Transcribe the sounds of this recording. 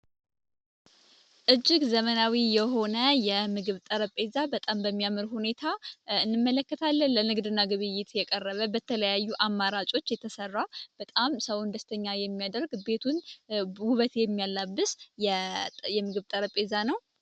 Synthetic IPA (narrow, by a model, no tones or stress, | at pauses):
ʔɨd͡ʒːɪɡzəmənawijɛɦo̞nəjɛmɨɡɨβt̪ʼəɾəpʼezabət̪ʼambəmːijamɨɾhune̞t̪ʰaɨnːɨmːələkːət̪ʰalːənlənɨɡd̪ɨnːaɡɨβɨjːɪt̪jɛkʼərːəβəbət̪ʰələjajːuʔamːaɾat͡ʃʼo̞t͡ʃːjɛt̪ʰəsərːab̥ət̪ʼamsəwnd̪əst̪ʰəɲːajɛmːijad̪əɾɡbe̞t̪ʰunhuβət̪jɛmːijalːabːɨsjɛjɛmɨɡɨβt̪ʼəɾəpʼezanəw